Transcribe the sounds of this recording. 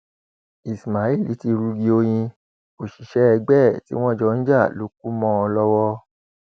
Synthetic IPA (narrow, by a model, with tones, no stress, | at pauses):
i˨sma˨i˦˨li˨˦ti˧ɾu˧ɡi˧o˧j̃ĩ˧ | o˨ʃi˨ʃɛ˨˦ɛ˧ɡ͡bɛ˦˨tḭ˦w̃ɔ̃˦˨d͡ʒɔ˧˨˧n̩˦d͡ʒa˦˨lo˨˦k̚u˦mɔ̃˦ɔ˧lɔ˦wɔ˦